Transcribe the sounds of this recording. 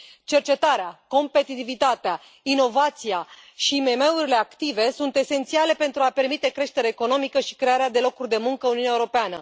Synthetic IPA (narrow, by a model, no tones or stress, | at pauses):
t͡ʃe̞rt͡ʃe̞t̪aɾeako̞mpe̞t̪it̪ivit̪at̪ea | ino̞vat̪siaʃiːme̞me̞uɾile̞akt̪ive̞sunt̪e̞se̞nt̪siale̞pe̞nt̪ɾuape̞rmit̪e̞kɾe̞ʃt̪e̞ɾeːko̞no̞mikəʃi̥kɾe̞aɾead̪e̞lo̞kurʲd̪e̞muŋkəuniunjaeuɾo̞peanə̰